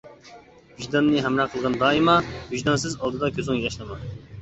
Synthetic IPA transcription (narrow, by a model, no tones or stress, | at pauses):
byʒd̪ɑnːɨɦɛmɾɑqʰəlˠʁɑnd̪ɑːimɑhyʒd̪ɑnsɪzɑlˠd̪ɨd̪ɑkʲʰøzɪŋjɑʃlˠɨmɑ